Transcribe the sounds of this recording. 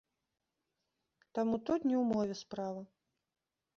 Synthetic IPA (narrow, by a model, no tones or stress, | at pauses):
t̪amut̪ɔd̪ʲnʲiwmɔvʲɛspɾavɐ